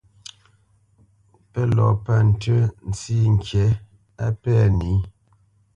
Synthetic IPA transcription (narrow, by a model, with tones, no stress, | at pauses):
pɛ˦lɔ̰˨pa˦n̩˨tə˦n̩˦t͡si˦ŋ̩˨kjɛ˨˦ | a˦pɛ˦˨ni˨˦